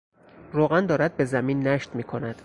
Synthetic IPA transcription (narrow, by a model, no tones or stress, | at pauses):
roːɣænd̪ɒːɾæd̪̚be̞zæmiːnːæʃt̪miːkʰo̞næd̪̥